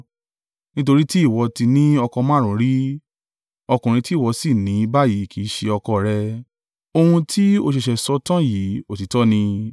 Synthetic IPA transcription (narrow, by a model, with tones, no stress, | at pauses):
nĩ˦to˧ɾi˦ti˦i˦˨wɔ˧ti˧nĩ˦ɔ˧kɔ˧mã˦ɾ̃ɔ̃˨˦ɾi˦ | ɔ˧kũ˨ɾ̃ĩ˧ti˦˨wɔ˨˧si˦˨nĩ˨˦ba˦ji˨˦˨kʰi˨˦ʃe˧ɔ˧kɔ˧ɾɛ˧ | o˧hũ˧tʰi˦o˧ʃ̬e˨ʃɛ˨sɔ˧˦tã˦ji˨˦o˦˨ti˨tɔ˦nĩ˧